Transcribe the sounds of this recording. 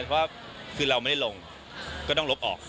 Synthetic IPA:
pʰɔ˦˥waː˥˩ | kʰɯː˧ɾa˧wma˥˩da˥˩lo˧ŋ | kːɔː˥˩t̪ɔ˥˩ŋlo˦˥p̚ʔɔ̰ː˨˩k̚

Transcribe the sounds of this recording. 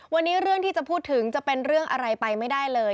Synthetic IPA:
wa˧nːiː˦˥ɾɯ˥˩əŋt̪ʰiː˥˩t͡ɕa˨˩pʰuː˥˩t̪ʰːɯ˩˦ŋt͡ɕa˨˩pe˧nɾɯ˥˩əŋʔa˧ɾa˧jpa˧jma˥˩jdaː˥˩jlɤː˧

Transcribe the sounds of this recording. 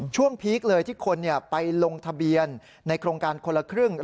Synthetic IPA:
t͡ɕʰu˥˩əŋpʰiː˦˥k̚lɤː˧jt̪ʰiː˥˩kʰo˧nːi˥˩əpa˧jlo˧ŋt̪ʰa˧bi˧ənː | a˧jkʰɾoː˧ŋkaː˧nkʰo˧nla˧kʰɾɯ˥˩ŋ

